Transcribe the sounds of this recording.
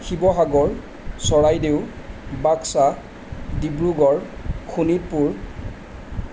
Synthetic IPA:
xibɔɦaɡɔɹ | sɔɹajdew | baksa | dibɹuɡɔɹkʰunit̚puɹ

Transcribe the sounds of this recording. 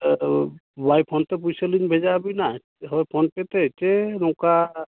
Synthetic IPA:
bajpʰɔnt̪ɛp̬ujseliɲbʱed͡ʒabina | ɦɔjpʰɔnpɛt̪ɛtɛɾɔ̃ka

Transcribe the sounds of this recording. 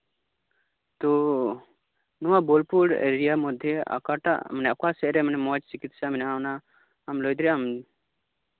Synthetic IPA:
t̪u | nuwabɔlpuɽḛɾijamɔd̪ʱjɛʔa̰kaʈa̰ʔmənɛakasɛʔɾɛmənɛmɔt͡ʃt͡ʃikit̪saminawnaː | mlɔjd̪ɾɛam

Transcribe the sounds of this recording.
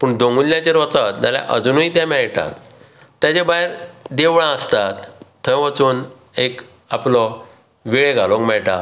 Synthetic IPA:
puɳd̪õŋɡulːjãt͡ɕeɾʋət͡sat̪̚dalja̰ʔəd͡zuːnuit̪jãmɛɭʈa̰t̪ | t̪ːjat͡ɕẽbajɾd̪eʋɭãəst̪at̪ʰː | ə̃ʋət͡suːn | ek | aplɔ | ʋiɭeɡʱalõkmɛɭʈa

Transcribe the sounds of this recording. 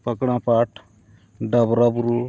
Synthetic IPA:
pəkɽ̃ãːpaːʈʰ | ɖɐbɾabɾuː

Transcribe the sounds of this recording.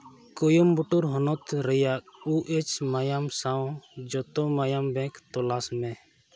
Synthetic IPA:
kujumbuʈuɾɦɔnɔt̪ɾɛjaʔ̚uʔɛt͡ʃmajamsawd͡ʒɔt̪ɔmajambɛ̃kt̪ɔlasmɛ

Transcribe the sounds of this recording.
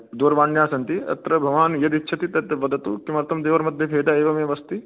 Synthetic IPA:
d̪oːɾʋaːɳjaːsɐnt̪iɐ̰t̪ɾɐbʱɐʋaːnjɐd̪itːʃʰɐt̪it̪ɐt̪ɐʋɐd̪ɐt̪ukimɐɾt̪ʰɐmd̪eːʋɐɾmɐd̪ʱjɐbʰʱeːd̪aːeːʋɐmɐʋɐst̪i

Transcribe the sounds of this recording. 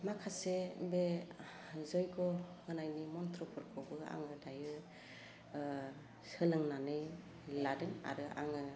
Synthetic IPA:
makʰasebe | zɔjɡɔŋɯnajnimɔntʰɾɔpʰɯɾkʰɔbɯa̰ŋɯdajɯ | sɯlɯŋnanɯj | ladɯŋa̰ɾɯʔa̰ŋɯ

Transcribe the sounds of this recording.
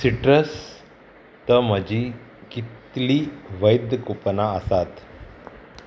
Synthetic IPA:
siʈɾəs | t̪əm̤əd͡ʑi | kit̪liːʋəjd̪əkupnaəsat̪

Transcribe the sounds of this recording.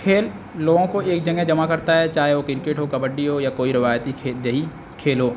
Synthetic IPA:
kʰeːlː | oːɡõkoeːk̚d͡ʒɐŋɡed͡ʒɐmakɐɾt̪aɦɛt͡ʃaːɦeʋokɪɾkeːʈɦokɐbəɖːiɦojakoːiɾɪʋaːjt̪id̪eɦi | kʰeːlɦoː

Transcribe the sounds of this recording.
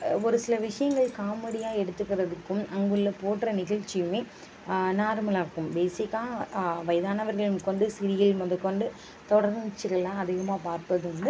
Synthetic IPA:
ɔɾɯsɪlɐʋɪʂɐjɐŋɡɐɭkaːmɐɽɪjaːɛɽɯt̪ːɯkːɪɾɐðɯkːɯmɐŋɡɯɭːɐpoːʈːɾɐnɪɣɐɭt͡ʃːɪjɯmeː | naːɾmɐlaːɾkːɯmbeːsɪkːaːʋɐjðaːnɐʋɐɾɣɐɭɯmkɔɳɖɯsɪɾɪjɪlmɐðɐkɔɳɖɯ | t̪ɔɽɐɾnt͡ʃːɯɾɐɭãːɐðɪɣɐmaːpaːɾpɐðɯɐnd̪ɯ

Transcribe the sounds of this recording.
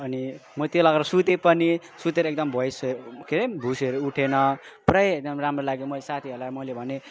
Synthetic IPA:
ʌnimʌt̪jolaɡeɾʌsut̪epʌni | sut̪eɾʌek̚d̪ʌmbʱʌjsʌkʰeɾebʱuseɾʌuʈʰenʌprʌjek̚d̪ʌmramrolaɡjomʌlesat̪ʰiɦʌlamʌlebʱʌne

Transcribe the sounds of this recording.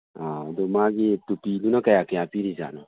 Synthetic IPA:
adomaɡitupilunɔkajakɛ̃apiɾiza̰nɔ

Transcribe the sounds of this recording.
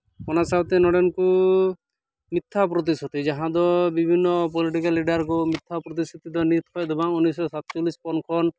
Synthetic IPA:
kɔnasabt̪enɔɽenku | mit̪ʰːap̬ɾɔt̪̬isɔt̪id͡ʒaɦãd̪ɔbibʱinːɔp̬ɔliʈikalːiɖaɾkumit̪ʰːapɾɔt̪̬isɔt̪id̪ɔnit̪ʰhɔjd̪ebaŋunːisɔsat̪t͡ʃɔlispɔnkʰɔn

